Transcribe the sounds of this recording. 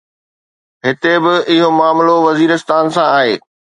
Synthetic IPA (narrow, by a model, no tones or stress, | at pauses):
ɦɪt̪ebɪɪɦomaːmloʋɐziːɾɪst̪aːnsãaːɦeː